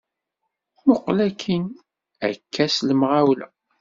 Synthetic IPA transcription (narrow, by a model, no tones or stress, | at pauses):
mʊqːlækʰːin | æ̰kʰːæsləmʁawlæ̰